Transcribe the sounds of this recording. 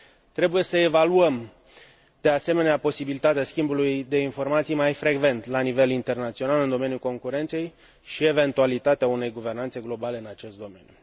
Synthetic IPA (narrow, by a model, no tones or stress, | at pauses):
t̪ɾe̞buje̞səe̞valuəm | d̪̥e̞ase̞me̞neapo̞sibilit̪at̪easkʲimbulujd̪e̞info̞rmat̪sijmajfɾe̞ɡve̞nt̪lanive̞lint̪e̞rnat̪sio̞nalɨnd̪o̞me̞njuko̞ŋkuɾe̞nt̪se̞j | ʃie̞ve̞nt̪ualit̪at̪eaune̞jɡuve̞rnant̪se̞ɡlo̞baleɨnat͡ʃe̞st̪̚d̪o̞me̞̰nʲju